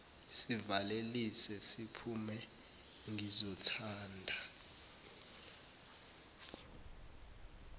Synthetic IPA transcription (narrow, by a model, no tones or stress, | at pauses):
sivalelisɛsipʰumɛ | ŋʱizɔtʰaːndʱa